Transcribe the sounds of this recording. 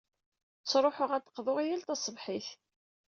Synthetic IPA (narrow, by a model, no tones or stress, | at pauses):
t͡sːɾˤoħʊʁæt̪ːə̥qːðˤʊʁijælt̪ɑsˤəvħiθ